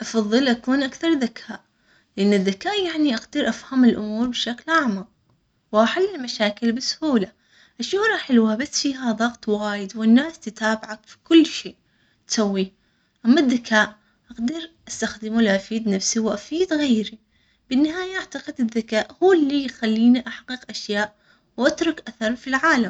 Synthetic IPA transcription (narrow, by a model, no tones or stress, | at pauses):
ʔɑfɑðˤːɨlʔakuːnʔakθɑɾˤðakʰaːʔ | lɪʔɪnːɪðːakaːʔjaʕniʔaqd̪ɪɾʔafhamɪlʔʊ̰muːɾbɪʃaklʔaʕmaq̚ | wʔaħalːɪlmaʃaːkɪlbɪsʊ̥huːla | ʔaʃuɾˤɑħɪlwabasːfiːɦaðˤɑɣt̪ˤwaːjɪd̪wɪnːaːst̪ɪt̪aːbɪʕakfi̥kʊlːʃeːʔ | t̪sawːiː | ʔamːaðːakʰaːʔ | ʔaqd̪ɪɾʔast̪axd̪ɪmulʔafiːd̪nafsiwʔafiːd̪ɣeːɾi | b̥ɪnːɪɦaːjaʔaʕt̪aqɪd̪ɪðːakaːʔhuːlːijxalːiːniʔaħqiːqʔaʃjaːʔ | wʔat̪ɾˤʊkʔaθɑɾˤfilʕaːlam